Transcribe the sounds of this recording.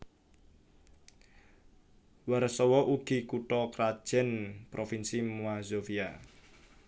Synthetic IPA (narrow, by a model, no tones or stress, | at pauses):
warsɔwɔʔuɡ̥i̤kuʈɔkɾad̥ʒ̥ɛ̤npɾofinsimuazofia